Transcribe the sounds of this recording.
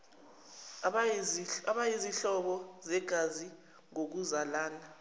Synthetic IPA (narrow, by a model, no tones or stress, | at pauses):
aɓajiziɬɔɓɔzɛɡ̥ʱazi | ŋok̬uzalaːna